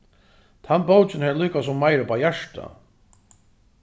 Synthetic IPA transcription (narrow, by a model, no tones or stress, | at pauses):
t̪ʰanbowt͡ʃɪnhɛːlyːkasʊmːajɾəpʰaːjæʂʈa̰